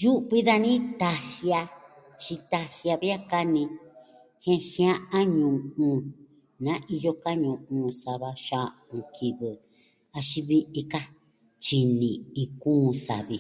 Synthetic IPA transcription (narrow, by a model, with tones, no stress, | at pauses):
ju˦ʔβi˦ða˦˧nĩ˦t̪a˧hja˧ | t͡ʃi˧t̪a˧hja˧βi˦a˦ka˦nĩ˧ | hẽ˦hj̃ã˦ʔã˦ɲũ˨ũ˧ | nã˦ʔi˧jo˧ka˦ɲũ˨ũ˧sa˧βa˧ʃã˦˧ | ũ˧kʰi˧˨βɨ˨ | a˧ʃi˧βi˦ʔi˧ka˦ | t͡ʃi˧nĩ˨ĩ˧kũ˦˧sa̰˨βi˧